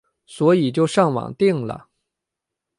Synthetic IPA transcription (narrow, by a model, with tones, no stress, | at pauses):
swɔ˧˥i˨˩t͡ɕjo˥˧ʊʂɑ˥˩ŋwɑ̰˨˩ŋt̪i˥˩ŋlə̰˩